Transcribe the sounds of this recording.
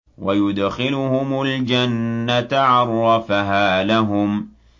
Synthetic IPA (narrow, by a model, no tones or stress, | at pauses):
wajʊd̪xɪlʊhʊmʊld͡ʒanːat̪ʕɑɾˤːɑfaɦaːlaɦʊm